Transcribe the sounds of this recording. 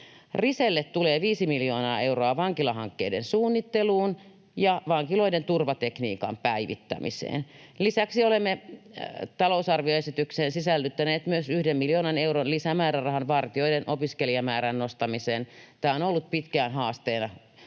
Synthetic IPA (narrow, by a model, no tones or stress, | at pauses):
riselːet̪t̪uleːʋiːsimiljoːnɑːe̞uroɑʋɑŋkilɑɦɑ̰ŋkːḛidensuːnːit̪ːeluːn | jɑʋɑŋkiloident̪urʋɑt̪eknḭːkɑ̰mpæiʋḭt̪ːæ̰mḭsḛːnlisæksiolemːe | t̪ɑlousɑrʋioesit̪ykseːnsisælːyt̪ːæneːt̪myøsyhdemmiljoːnɑneuɾonlisæmæːɾærɑɦɑnʋɑrt̪io̞idenʔopiskeliɑmæːɾænnost̪ɑmiseːnt̪æːonolːut̪̚pit̪kæːnɦɑːst̪eːnɑ